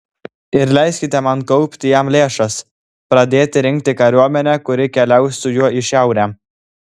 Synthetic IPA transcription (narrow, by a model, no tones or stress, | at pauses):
ɪɾlʲæɪsʲkʲɪt̪ʲɛmɐn̚kɔʊpʲt̪ʲɪjɛmlʲeːʃɐs | pɾɐd̪ʲeːt̪ʲɪɾʲɪŋʲkt̪ʲɪkɐɾʲuɔmʲɛnʲækʊɾʲɪkʲɛlʲɛʊsʲsʊjuɔɪʃʲɛˑʊɾʲæː